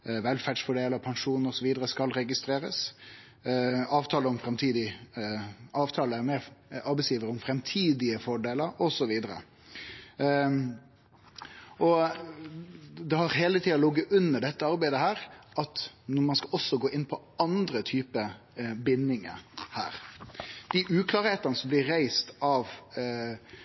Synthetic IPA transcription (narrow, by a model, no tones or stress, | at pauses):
ʋɛlfæːɖʂfɔɖeːləpʰɑnʂuːnəɔsɔʋiːd̪əɾəskɑlɾɛɡɪst̪ɾeːɾəs | ɑːʋt̪ʰɑːləɔmfɾɛmt̪ʰiːd̪ɪ | ɑːʋt̪ʰɑːləæɾmeːɾɑɾbɛɪsjiːʋəɾəʊmfɾɛmt̪ʰiːd̪ɪəfɔɖeːləɾɔsɔʋiːd̪əɾə̰ | ʔɔ | d̪ɛhɑɾɦeːlət̪ʰiːɑlɔɡːəʔʉnːəɖɛt̪ːəɑɾbæɪd̪əhæːɾʔɑt̪nʊmɑnskɑʔɔsːɔɡoːʔɪnpʰɔ | ɑnd̪ɾət̪ʰyːpə | bɪnːɪŋə̰hæ̰ːɾd̪̥ɪʔʉːkʰlɑːɾheːt̪ənəsɔmblɪːæɪst̪ɑʋ